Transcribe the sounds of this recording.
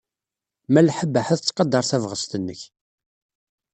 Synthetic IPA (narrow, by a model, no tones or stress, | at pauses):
mælħəbːəħæθt͡sːqɑd̪ːɑɾˤθævʁəst̪ənːəç